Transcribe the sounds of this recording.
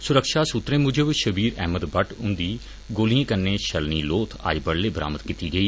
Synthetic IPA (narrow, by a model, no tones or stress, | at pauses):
sʊɾəkʃaːsʊt̪ɾẽːmʊd͡ʒəbʃəbiːɾɛ̰ːməd̪bəʈʊnd̪iː | ɡoːlijãːkənːeːʃəlniːloːt̪ʰa̰ːd͡ʒbəɽleːbəɾa̰ːmət̪kiːt̪iːɡəiː